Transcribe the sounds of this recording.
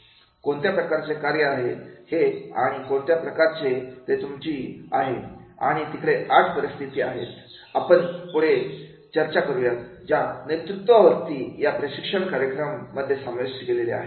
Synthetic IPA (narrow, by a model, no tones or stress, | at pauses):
koɳt̪japɾəkaɾt͡sekaɾjəaɦehea̰ɽ̃ikoɳt̪japɾəkaɾt͡set̪et̪umt͡ɕiːa̰ɦea̰ɽ̃it̪ikɽeʔaʈʰpəɾist̪ʰit̪iːa̰ɦḛt̪ | apəɳpuɽ̤e | t͡ɕəɾt͡ɕakəɾuʋjat̪d͡ʑjanet̪ɾut̪ʋaʋəɾt̪iːjapɾəɕikʂəɳkaɾjəkɾəmːəd̪ʱːjesə̃mʋesɡelelea̰ɦe